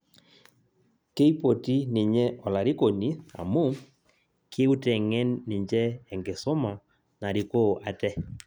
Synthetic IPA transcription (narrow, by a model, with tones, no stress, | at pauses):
ke˦i˦po˨ti˦nɪ˨ɲɛ˦ɔ˨la˨ɾi˦ko˨ni˦a̰˨mu˦˨ | kʰe˦u˦tɛ˨ŋɛ˦nːɪ˨ɲd͡ʒɛː˦˨ŋɡe˨so˦mɔ˨ | na˨ɾi˨ko˦˨ʔa˨tɛ˦